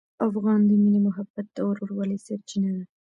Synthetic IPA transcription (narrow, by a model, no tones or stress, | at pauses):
afɣɑnd̪əminimʊɦabat̪ːawaɾoɾwalisaɾt͡ʃinad̪a